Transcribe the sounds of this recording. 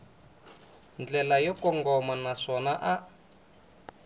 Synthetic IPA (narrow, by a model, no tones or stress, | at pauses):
nd͡ɮɛlajɔkɔŋɡɔmanaʂɔnaʔa